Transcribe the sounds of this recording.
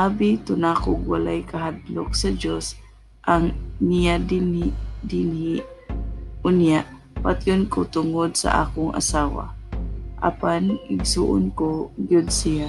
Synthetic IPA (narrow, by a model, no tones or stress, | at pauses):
ʔaːbit̪ʊnakʊɡwalajkɐɦad̪lok̚sɐd͡ʒos | ʔaŋnɪjad̪ɪnd̪ɪnhɪ | ʔʊnjaʔ | pat̪jʊnkot̪ʊŋod̪̚sa̰ʔa̰ːkʊŋʔɐ̰saːwa̰ʔa̰panʔɪɡ̚sṵːʔʊnkoɡjʊd̪sɪja